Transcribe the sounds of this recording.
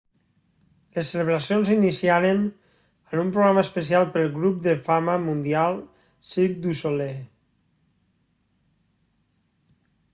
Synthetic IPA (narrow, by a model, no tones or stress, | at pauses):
ləsːələβ̞ɾəsionzinisiaɾen | ənumpɾoɣɾaməspəsialˠpəlˠɣɾup̚d̪əfaməmund̪ialˠ | sip̚d̪usole